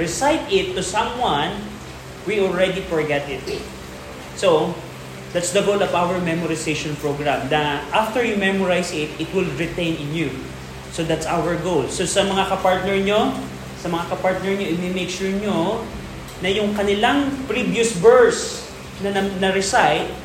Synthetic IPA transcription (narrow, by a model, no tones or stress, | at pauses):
ɹɪsajt̪ɪt̪ːʊsɐ̃mwãn | wiɔlɹɛd̪ifɔɹɡɛt̪ɪt̪̚ | so | d̪at̪sd̪ɐɡowlɔvawəɹmɛmɔɾɪsejʃɔ̃npɹoɡɹãmnɐʔaft̪əɹjumɛmɔɹajsɪt̪̚ɪt̪wɪlɹɪt̪ẽj̃nɪ̃nju | sod̪at̪sawəɹɡowlsosɐmɐŋakɐpaɹt̪̚nɛɹɲo | sɐmɐŋakɐpaɹt̪nɛɹɲoʔɪmɪmejkʃuɹɲo | nɐjʊŋkɐnɪlaŋpɾivjʊsbɛɹs | nɐnɐnɐɾɪsajt̪̚